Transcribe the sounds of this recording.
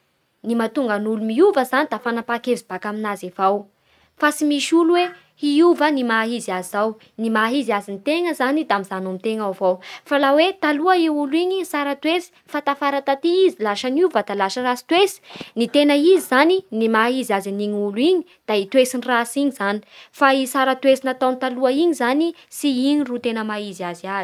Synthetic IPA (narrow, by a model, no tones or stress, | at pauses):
nimat̪uŋɡənulumiuvəzanid̪afanapakevibakaminazevaw | fasimiʃuluwe | iuvənimaɦizazaw | nimaɦizazint̪eŋəzanid̪aamizanomit̪eŋavawfalawet̪aluəiuliɲisaɾət̪wesi̥fat̪afaɾat̪at̪iizilaʃanuvəd̪alaʃərasi̥t̪wesi̥nit̪enəizizaninimaɦizaziniɲuluiɲi | d̪̥ait̪wesinirasiɲizani̥faisaɾət̪wesinat̪awnt̪aluəiɲizanisiiɲirut̪enəmaɦiziaziazi